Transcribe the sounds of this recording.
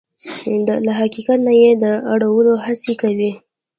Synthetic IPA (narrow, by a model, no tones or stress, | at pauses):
laɦaqikat̪najed̪əaɽawəloɦasekawi